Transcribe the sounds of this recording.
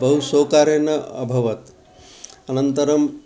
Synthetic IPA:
bɐɦusoːkaːɾenɐɐ̰bʱɐʋɐt̪ | ɐnɐnt̪ɐɾɐm

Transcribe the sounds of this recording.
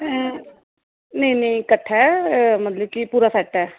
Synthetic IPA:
neĩnəĩkəʈʰːɛːmət̪ləb̚kipuːɾaːsɛːʈɛː

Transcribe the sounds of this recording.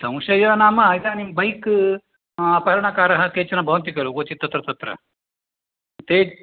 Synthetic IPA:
t̪ɐ̃w̃ʃɐjɐɐnaːmɐit̪aːnimbɐjk | ɐpɐɾɐɳɐkaːɾɐɦɐkeːt͡ʃɐnɐbʱɐʋɐnt̪̬ikɐluɡot͡ʃit̪ːɐt̪ɾɐt̪ɐt̪ɾɐ̰ | t̪eː

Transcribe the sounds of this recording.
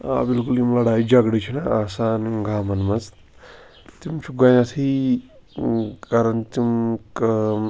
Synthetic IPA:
a̰bilkulimlɐɽaːjid͡ʒɐɡɽɐt͡ʃʰinaasaːnɡaːmɐnmɐz | t̪imt͡ʃʰuɡɐjat̪ʰi | kaɾɐnt̪imk

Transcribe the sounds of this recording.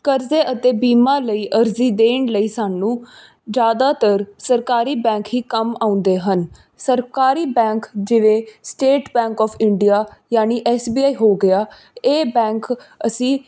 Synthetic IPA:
kəɾzeːʔət̪eːbiːmãːləiːʔəɾziːd̪eːɳləiːsaːnũː | d͡ʒjaːd̪aːt̪əɾsəɾkaːɾiːbɛ̃ːŋkɦiːkəmãːʊ̃nd̪eːɦən | səɾkaːɾiːbɛ̃ːŋkd͡ʒɪʋẽːsʈeːʈbɛ̃ːŋkɔːpʰɪɳɖijaːjaːniːʔɛːsbiːaːiːɦoːɡɪaː | eːbɛ̃ːŋkə̰sĩː

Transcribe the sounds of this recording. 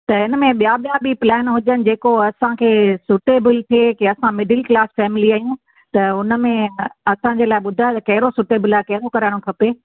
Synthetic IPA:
t̪ɐɪnə̆mẽɓijaɓijabʱiplɛːnɦʊd͡ʑənɪ̆d͡ʑeːkoɐsãkʰeːsʊʈeːbɪlt̪ʰekeɐsãmɪɖɪlklaːsfɛːmɪliaːjũ | t̪ɐʊnə̆mẽɐsãɲd͡ʑeːlaːɪɓʊd̪ʱaːt̪ɐkɐɦɪɾosʊʈeːbɪlaːkɐɦɪɾokɐɾaɽ̃õkʰɐpeː

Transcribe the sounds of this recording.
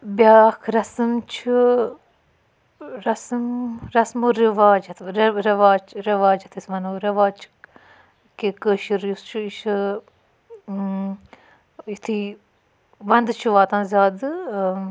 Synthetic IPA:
bʲjaːkʰɾɐsɨmt͡ʃʰi | ɾɐsɨmɾɐsmuɾiʋaːd͡ʒɐt̪ʰɾɐʋaːt͡ʃɾiʋaːd͡ʒɐt̪ʰisʲʋɐnuːɾɐʋaːt͡ʃʰ | kekəʃiɾjust͡ʃʰuiʃɨ | it̪ʰi | ʋɐnd̪ɨt͡ʃʰuʋaːt̪ɐnzʲaːd̪ɨ

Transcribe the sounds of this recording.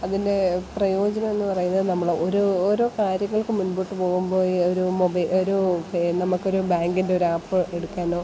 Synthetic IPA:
ɐðinde̞prɐjo̞ːd͡ʑɐnɐmenːɨpɐrɐjunːɐðɨnɐmːɐɭoɾuːɾo̞ːkaːɾjɐŋːɐɭkɨmunbuʈːɨpo̞ːɣumbo̞ːjoɾumobɐoɾuenɐmːukːo̞ɾubaːŋɡinde̞o̞ɾuaːpːɨʔe̞ɽukːaːno̞ː

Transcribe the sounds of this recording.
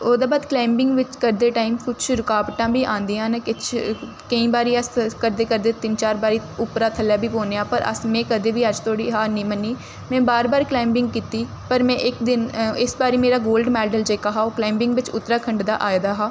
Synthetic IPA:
oːd̪aːbaːd̪klaːɪmbɪ̃ŋɡʋɪt͡ʃkəɾd̪eːʈaːɪmkʊt͡ʃʰɾʊkaːʋʈãːbiːʔãːnd̪iːɦãːnakɪt͡ʃʰ | kəĩːbaːɾiːəskəɾd̪eːkəɾd̪eːt̪ɪnt͡ʃaːɾbaːɾiːʊpɾaːt̪ʰəlːjaːbʱiːpõːneːãːpəɾʔə̰smɛ̃ːkəd̪eːʋiːəd͡ʒt̪ʰoːɽiːɦaːnĩːmənːiː | mɛ̃ːbaːɾbaːɾklaːɪmbɪ̃ŋɡ̚kiːt̪iː | pəɾmɛ̃ːʔɪkd̪ɪnɪsbaːɾiːmeːɾaːɡoːlɖmɛːlɖəld͡ʒeːkaːɦaːoːklaːɪmbɪ̃ŋɡʋɪt͡ʃʊ̰t̪ːɾaːkʰəɳɖd̪a̰ːʔaːd̪aːɦaː

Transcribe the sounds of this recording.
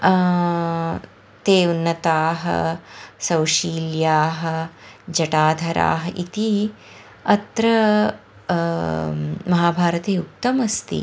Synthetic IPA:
t̪eːunːɐt̪aːɦɐ̰sɐwʃiːljaːɦɐ̆d͡ʒɐʈaːd̪ʱɐɾʔa̰ːɦɐʔit̪i | ɐt̪ɾɐ | mɐɦaːbʱaːɾɐt̪eːuk̚t̪ɐmɐst̪ḭ

